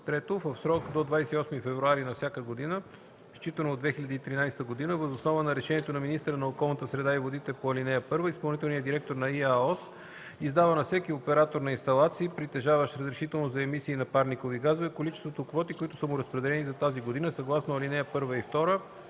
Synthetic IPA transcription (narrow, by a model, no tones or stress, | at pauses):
t̪ɾɛt̪ovəfsɾɔkd̪od̪vajsɛiɔsmifɛvɾuaɾinɐfsʲjakəɡod̪inə | st͡ʃit̪ənoːd̪vɛxilʲɐd̪iːt̪ɾinajst̪əɡod̪inəvəzosnɔvənɐɾɛʃɛniɛt̪onɐminist̪ɾənɐokɔlˠnət̪əsɾɛd̪aivod̪it̪ɛpoɐlinɛjəpɤɾvəispɐlˠnit̪ɛlˠnijəd̪iɾɛk̚t̪oɾnɐiaɔs | izd̪avənɐfsɛkiopɛɾat̪oɾnɐinst̪ɐlˠat̪siːpɾit̪ɛʒavəʃɾəzɾɛʃit̪ɛlˠnozɐɛmisiːnɐpaɾnikoviɡazovɛkolit͡ʃɛst̪vot̪okvɔt̪ikoit̪ʊ̥səmʊɾɐspɾɛd̪ɛlɛnizɐt̪aziɡod̪inəsɐɡlˠasnoɐlinɛjəpɤɾvəift̪ɔɾə